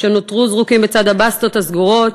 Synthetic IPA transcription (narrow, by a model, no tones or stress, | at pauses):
ʃenot̪ʁuzʁukimbet͡sad̪abast̪othazɡuʁo̞t